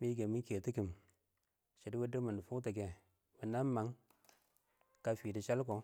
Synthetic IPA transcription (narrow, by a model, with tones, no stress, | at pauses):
mi˦ɡe˨mi˦nke˨ti˦ki˨m | ʃe˨di˦we˦də˦ma˨n˨fu˦t̬a˨ɡe˨ | mi˨na˦ma˨ŋ | ka˦fi˨di˨ʃa˦lko˨